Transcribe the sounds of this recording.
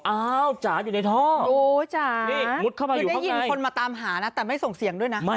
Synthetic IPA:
ʔaː˨˦˧wt͡ɕaː˩˦juː˨˩na˧jt̪ʰɔː˥˩oː˧t͡ɕaː˨˩niː˥˩u˦˥t̪̚kʰaː˥˩wmaː˧˨da˥a˥˩ji˧an˧kjʰo˧nmaː˧t̪aː˧mɦaː˩˦na˧˦˥t̪ɛː˨˩ma˥˩jso˨˩ŋsi˨˦əŋdu˥˩əjna˦˥ma˦˥˩

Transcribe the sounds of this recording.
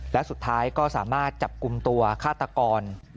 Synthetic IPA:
lɛ˦˥wsu˨˩t̪ʰːaː˦˥jkɔː˥˩saː˩˦maː˥˩t̪̚t͡ɕa˨˩p̚ku˧mt̪u˧ɐkʰaː˥˩t̪ːa˧kɔː˧n

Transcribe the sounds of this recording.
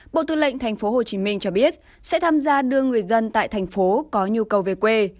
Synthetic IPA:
ɓo̰˧˨t̪ɨ̰˧˨lə̰˧˨ŋ̟t̪ʰa˨˩jŋ̟fo˨˦ɦo˨˩t͡ɕi˨˦mï˧ŋ̟t͡ɕɔ˧ɓi˦˥ət̚ | sɛ̰˧˥t̪ʰaː˧mzaː˧ɗɨ˧əŋːɨ˨˩əjzə˧nt̪a̰ː˧˨t̪ʰɛ˨˩jŋ̟fo˨˦kɔ˨˦ɲi˧əkə˨˩wve˨˩kwe˧

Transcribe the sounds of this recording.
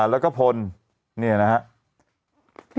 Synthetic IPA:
lɛː˦˥wkɔː˥˩pʰo˧n | ni˥˩ɐna˦˥hʰa˦˥ʔ

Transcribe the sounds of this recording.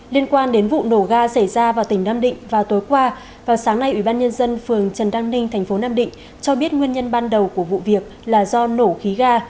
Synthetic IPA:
li˧ənkwaː˧nɗe˨˦nvṵ˧˨no˧˩ɣaː˧sa˧˩jzaː˧vaː˨˩wt̪ï˧˩ŋ̟naː˧mɗḭ̈˧˨ŋ̟vaː˨˩wt̪o˨˦jkwaː˧ | vaː˨˩wsaː˨˦ŋna˧jʔwi˧˩ɓaː˧nɲə˧nzə˧nfɨ˨˩əŋt͡ɕə˨˩nɗaː˧ŋnï˧ŋ̟t̪ʰɛ˨˩ŋ̟fo˨˦naː˧mɗḭ̈˧˨ŋ̟ | t͡ɕɔ˧ɓi˦˥ət̚ŋwi˧ənɲə˧nɓaː˧nɗə˨˩wku˧˩əvṵ˧˨vi˨˩ək̚laː˨˩zɔ˧no˧˩xi˨˦ɣaː˧

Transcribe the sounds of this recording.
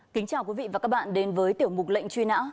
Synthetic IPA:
kï˨˦ŋ̟t͡ɕaː˨˩wkwi˨˦vḭ˧˨vaː˨˩kaː˦˥k̚ɓa̰ː˧˨nɗe˨˦nvəː˨˦jt̪i˧˩əwmʊ˨˩k͡p̚lə̰˧˨jŋ̟t͡ɕwi˧na̰ː˧˥

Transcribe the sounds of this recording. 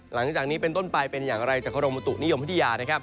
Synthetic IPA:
la˩˦ŋt͡ɕaː˨˩k̚niː˦˥pe˧nt̪o˥˩npa˧jpe˧njaː˨˩ŋɾa˧jt͡ɕaː˨˩k̚ʰa˧ɾo˧mːa˧t̪u˨˩k̚ni˦˥jo˧mpʰt̪ʰa˧jaː˧na˦˥˩kʰa˦˥p̚

